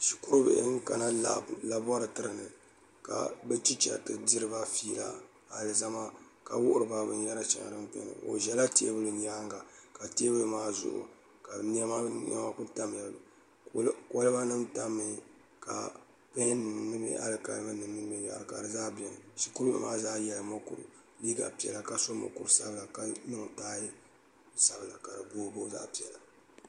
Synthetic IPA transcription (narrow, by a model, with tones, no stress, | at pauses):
ʃi̥˨ku˦ɾbɛ̰˨ʔŋ̩˦ka˨na˦la̰˨la˨bɔ˦ɾɨ˨tɨ˦ɾɨ˨nɨ˨ | ka̰˨bɛ˦t͡ʃi˦t͡ʃa̰˨tɨ˨di˦ɾɨ˦ba˦fiː˦la̰˦ | ha˨lɨ˨za˦ma˦ | ka˨wʊ˦ʔʊ˦˨ɾɨ˨ba˦bɨ̰˨n˦jɛ˦ɾa˦t͡ʃa̰˨ŋa̰˨dɨ˦m˦pɛ̰˦nɨ̰˨ʔo̰˨ʒɛ˦la˦te˦e˦bɨ˦lɨ˨ɲ˦aː˦ŋɡa˨ka˨te˦bɨ˦˨maː˦zʊ̰˨ʔʊ̰˨ | ka˨n˦ɛ˦ma˦n˦ɛ̰˦ma˦ku˦ta˦m˦jɛ˨lb | kʷɔ˦lɨ˦ba˦nɨ˦mta˦mːɨ˦˨ | ka̰˨ | pɛ˦nɨ˨nɨ˦mɛ̰˦ʔa̰˦lɨ˨ka̰˨˦mɨ˦nɨ˨m˦nɨ˦mi˦˨a̰˨ɨ˨ka̰˨dɨ˨zaː˦bɛ˨n˨ʃi˦ku˦ɾɨ˦bɨ̰˨mʔa̰ː˦zaː˦jɛ˨lɨ˨mo˦kṵ˨ɾɨ̰˨ | liː˦ɡa̰˨pi˨ɛ̰˨la˨ka˨so˦mo̰˨ku˨ɾsa̰˦bɨ˦la˨ka˦nɨ˦ŋ˨taː˦ji˦˨ | sa˦bɨ˨la˨ka˨dɨ˨boː˦bo˦za̰ː˦pi˨ɛ˨la˨